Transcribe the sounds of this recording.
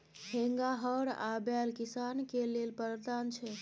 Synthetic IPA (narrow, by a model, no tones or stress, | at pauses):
heŋɡaɦəɾa̰bɛlkisankelelpəɾt̪ant͡ʃʰɛ